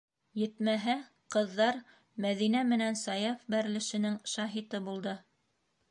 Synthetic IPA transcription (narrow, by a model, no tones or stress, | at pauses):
jɘ̆t̪mæɦæ | qɤ̆ðːɑɾ | mæðinæmɘ̆nænsɑjɑfbæɾ̆lɘ̆ʃɘ̆nɘŋʃɑɦit̪ɤbulˠd̪ɤ